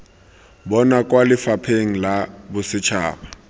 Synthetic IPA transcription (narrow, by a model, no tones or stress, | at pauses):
bɔnakʼwalɪfapʰeŋ̩labʊsɪt͡ʃʰaːba